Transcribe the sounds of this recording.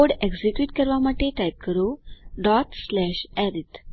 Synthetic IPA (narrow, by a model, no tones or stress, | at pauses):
oɽeɡd͡ʑikʋiːʈ̚kəɾʋaməʈ̪ʰːeʈajp̚kəɾoɖɔt̪slɛɕɛɾit̪